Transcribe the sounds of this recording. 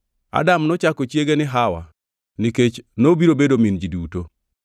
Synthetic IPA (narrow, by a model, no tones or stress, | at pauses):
a̰damnɔt͡ʃakɔt͡ʃjeɡenɪɦawa̰ | niket͡ʃnobiɾobedomind͡ʒiduto